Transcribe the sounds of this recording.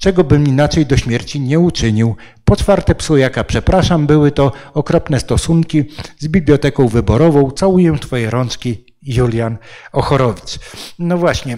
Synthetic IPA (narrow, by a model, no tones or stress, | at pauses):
t͡ʂɛɡɔbɘminat͡ʂɛjd̪ɔɕmʲjɛɾt͡ɕiɲɛut͡ʂɘɲiw | pɔt͡ʂfaɾt̪ɛpsʊjakapʂɛpɾaʂambɘwɘt̪ɔɔkɾɔpnɛst̪ɔsuŋkʲizbʲiblʲjɔt̪ɛkɔ̃w̃vɘbɔɾɔvɔ̃w̃t̪sawujɛt̪fɔjɛɾɔnt͡ʂkʲi | julʲjanɔxɔɾɔvʲit̪snɔvwaɕɲɛ